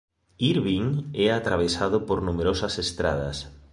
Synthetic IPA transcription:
iɾβiŋɛat̪ɾaβ̞esaðʊpoɾnumeɾosɐsest̪ɾa̰ð̞ɐ̰s

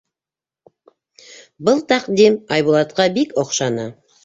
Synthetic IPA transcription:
bəlˠt̪ʰɑqd̪emɑjbulˠɑt̪qɑbekoqʃɑnə

